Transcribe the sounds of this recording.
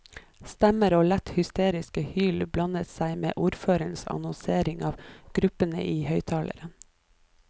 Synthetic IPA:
st̪æməɾoːlæt̪hʏst̪eːɾɪskəhyːlblɑnət̪sæɪmḛːʔuːɾføːɾəɳsɑ̰nɔnseːɾɪŋɑːʋɡ̥ɾʉpənə̰ʔiːhœʏt̪ʰɑːlə̰ɾə

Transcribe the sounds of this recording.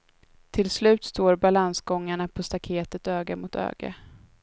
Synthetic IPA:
t̪ʰɪlslʉ̟ːt̪st̪oːɾbalansɡɔŋːaɳapʰɔst̪akʰeːt̪ət̪øːɡamʊt̪ʰø̰ːɡa̰

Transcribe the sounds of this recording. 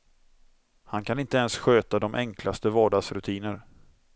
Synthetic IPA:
hankʰanɪnt̪əɛnsɧøːt̪ad̪ɔmʔɛŋkʰlast̪əvɑːɖɑːɡsɾɵt̪ʰiːnəɾ

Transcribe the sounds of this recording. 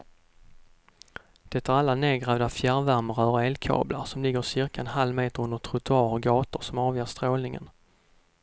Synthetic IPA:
d̪̥ɛt̪ːæɾalːaneːɡɾavd̪afjæɾvæɾməɾœːəeːlkʰɑ̰ːbla̰ɾsɔmlɪɡːəɾsɪɾkaɛnhalːmeːt̪əɾɵnd̪ət̪ʰɾʊt̪ɵɑːɾɔɡɑːt̪ʊɾsɔmɑːvjeːst̪ɾoːlnɪŋə̰n

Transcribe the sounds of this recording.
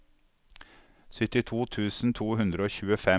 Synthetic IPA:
sʏt̪ɪt̪ʰuːt̪ʰʉːsn̩t̪ʰuːhʉnd̪ɾəoːçʉːəfɛ

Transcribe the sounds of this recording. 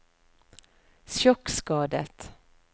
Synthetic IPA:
sɔkskɑːd̪ət̪

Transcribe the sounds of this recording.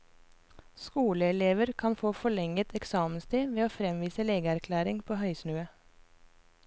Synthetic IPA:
skuːləɛleːʋəɾkʰɑnfoːfɔɭɛŋət̪ʰɛksɑːmənst̪ʰiːʋeːoːfɾɛmʋiːsəleːɡəæɾkʰlæːɾɪŋpʰoːhœʏsnʉːə

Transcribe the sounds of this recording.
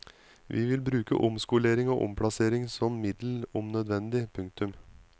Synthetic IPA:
ʋʔiːʋɪlbɾʉːkə̰ʔʊmskʊleːɾɪŋo̰ːʔʊ̰mpʰɽɑseːɾɪŋsɔmmɪd̪lʊmnœd̪ʋɛnd̪ɪpʰʉŋk̚t̪ʉm

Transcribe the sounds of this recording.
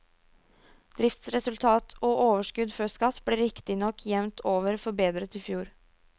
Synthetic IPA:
d̪̥ɾɪft̪sɾɛsʉlt̪ʰɑːt̪ʰoːʔoːʋəʂkʉd̪fœskɑt̪ːbleːɾɪkt̪ɪnɔkʰːjɛʋnt̪ʰoːʋəɾfɔbeːd̪ɾət̪ɪfjuːɾ

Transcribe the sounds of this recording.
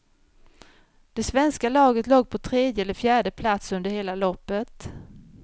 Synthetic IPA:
d̪̥ɛsvɛnskalɑːɡət̪loːɡ̚pʰɔt̪ʰɾeːd̪jəɛlːəɾfjæːɖəpʰlat̪sɵnd̪əɾheːlalɔpːət̪

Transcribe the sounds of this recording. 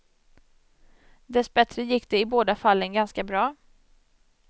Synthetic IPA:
d̪ɛsbɛt̪ɾəjɪkːd̪̥ɛɪboːd̪afalːənɡanskabɾɑː

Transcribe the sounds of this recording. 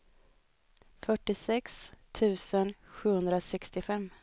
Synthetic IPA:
fœʈːɪsɛkst̪ʰʉ̟ːsənɧʉ̟ːhɵnd̪ɾasɛkst̪ɪfɛmː

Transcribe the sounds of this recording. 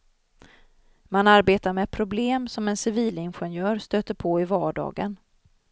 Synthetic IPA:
manaɾbeːt̪aɾmɛpʰɾʊbleːmsɔmɛnsɪviːlɪnɧɛnjœːɾst̪øːt̪əɾpʰoɪvɑːɖɑ̰ːɡən

